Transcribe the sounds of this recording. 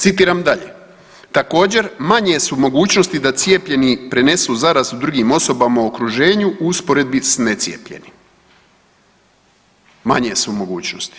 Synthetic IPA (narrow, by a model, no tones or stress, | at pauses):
t̪sit̪̬iːɾamd̪aʎe̞̰ | t̪ako̞ːd͡ʑe̞ɾmaɲesumo̞ɡuːt͡ɕnost̪id̪at̪sje̞pʎe̞nipɾe̞ne̞suzaɾast̪ud̪ɾuɡimo̞so̞bamaookɾuʒe̞ːɲuʔuuspoɾe̞d̪̚bisne̞t̪sje̞̰pʎe̞̰nim | ma̰ɲe̞sumo̞ɡṵːt͡ɕnost̪i̥